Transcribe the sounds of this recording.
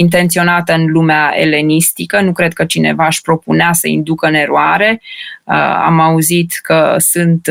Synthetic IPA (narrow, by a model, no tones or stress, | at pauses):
int̪̬e̞nt̪sio̞nat̪əɨnlumeaḛle̞nist̪ikənukɾe̞d̪̚kət͡ʃine̞̰vaːʃʲpɾo̞puneasəḭnd̪ukəne̞ɾuaɾe̞ə̰a̰mauzit̪kəsɨnt̪